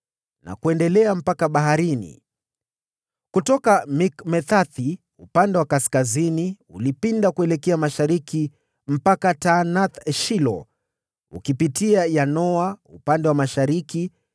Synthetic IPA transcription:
nʔa̰kuɛndɛlɛam̩pakaɓaɦaɾinḭ | kutɔkamikmɛθaθi | upandɛwakaskazini | ulipindakuɛlɛkɛamaʃaɾiki | m̩pakatanaθʃilɔ̰ | ṵkipitiajanɔaupandɛwamaʃaɾiki

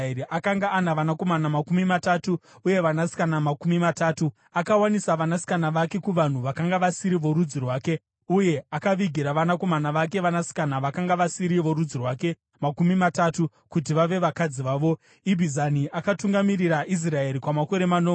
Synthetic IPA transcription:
iʔakaŋɡaʔːnaʋanako̞manamakumimatatu | uje̞ʋanasi̥kanamakumimataːtu | akawanisaʋanasi̥kanaʋake̞kuʋan̤uʋakaŋɡaʋasiɾiʋo̞ɾud͡zirwaːke̞ | uje̞akaʋiɡʱiɾaʋanako̞manaʋak̬e̞ʋanasi̥kanaʋakaŋɡaʋasiɾiʋo̞ɾud͡zirwaːke̞ | makumimatatu | kut̬iʋaʋe̞ʋakad͡ziʋaːʋo̞ | ibʱizaniʔakatuŋɡamiriɾaʔis̬rae̞ɾikwamako̞ɾe̞mano

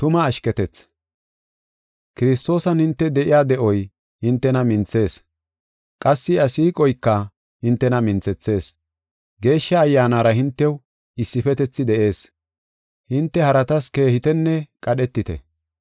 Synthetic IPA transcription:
t̪ʊmɐːʃkɛt̪ɛt͡sː | kɪɾɪst̪o̞ːsɐnhɪnt̪ːɛd̪ɛʔɪjaːd̪ɛʔɔj | hɪnt̪ːɛnɐmɪnt͡sːe̞ːs | kʼɐsːɪɐsiːkʼɔjkːɐ | hɪnt̪ːɛnɐmɪnt͡sɛt͡sːe̞ːs | ɡe̞ːʃːɐːjːaːnaːɾɐhɪnt̪ːɛw | ɪsːɪfɛt̪ɛt͡sːɪd̪ɛʔe̞ːs | hɪnt̪ːɛhɐɾɐt̪ɐske̞ːhɪt̪ɛnːɛkʼɐɗɛt̪ːɪt̪ɛ̰

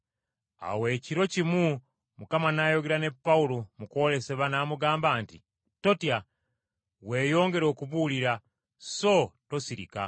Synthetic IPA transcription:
a̰we̞ːciɾo̞cimu | mukamanajo̞ɡeɾane̞pːaulomuko̞le̞se̞βanaːmuɡaːmbaːnti | to̞tja | we̞ːjo̞ːŋɡe̞ɾo̞ːkuβuːliɾa | so̞to̞siɾḭka̰

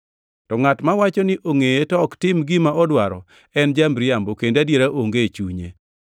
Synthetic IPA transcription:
tɔŋatmawat͡ʃɔnɪʔoŋejetɔktɪmɡɪmaʔɔdwaɾɔ̰ | ɛnd͡ʒambɾɪambokendadjeɾaʔoŋɡet͡ʃuɲḛ

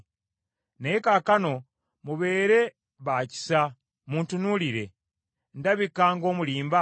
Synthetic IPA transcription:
neekakano̞ | muβe̞ːɾe̞ | βaci̥sa | muːntunuliɾe̞̰ | ndaβikaːŋɡo̞ːmuliːmba

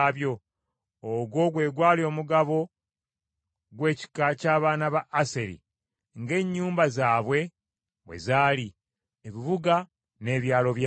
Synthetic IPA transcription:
βjo̞ | oɡwo̞ɡwe̞ːɡwaːlio̞ːmuɡaβo̞ | ɡwe̞ːci̥kacaːβaːnaβaʔːse̞ɾḭ | ŋɡe̞ɲːuːmbazaːβwe̞ | we̞̰zaːli | eβiβuɡa | ne̞ːβjaːlo̞βja

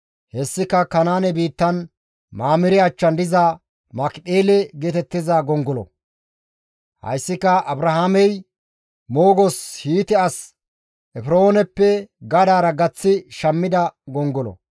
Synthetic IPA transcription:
hɛsːɪkɐkɐnaːnɛbiːt̪ːɐn | maːmɪɾɪɐt͡ʃːɐnd̪ɪza | mɐkɗeːlɛɡeːt̪ɛt̪ːɪzɐɡɔŋɡɔlɔ̰ | hɐ̰jsːɪkːɐʔɐbɾɐhaːmɛj | moːɡɔshiːt̪ɛɐs | ʔɛfɪɾoːnɛpːɛɡɐd̪aːɾɐɡɐt͡sːɪʃɐmːɪd̪ɐɡɔŋɡɔlɔ̰

